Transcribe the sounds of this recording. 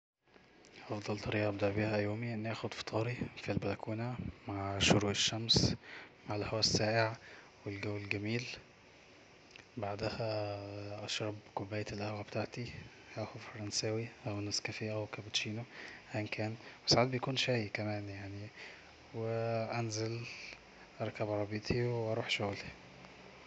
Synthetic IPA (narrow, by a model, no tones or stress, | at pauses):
ʔɑfd̪ˤɑlt̪ˤɑɾiːʔɑʔæbd̪ɑʕbiːhæʔjoːmiʔenːʔæːxod̪fe̥t̪ˤʰɑːɾifilbælækuːnæmaʕʃoɾuːʔeʃːæmsmaʕelʔħowæsːæːʔeʕ | welɡæwːelɡæmiːl | baʕd̪æhæʔɑʃɾˤɑbkobːæːjæelʔæhwæbet̪aʕt̪i | hæʔæxufɑɾˤɑnsæwiʔæwnæːskæfejʔæwekæbæt̪ʃiːnohænkʰæːnwesaʕad̪̚bejækuːnʃæjkæmæːnjaʕni | weʔænzel | ʔɑɾˤkæbʔɑɾˤɑbet̪ʰiweʔɑɾˤuːħʃoɣli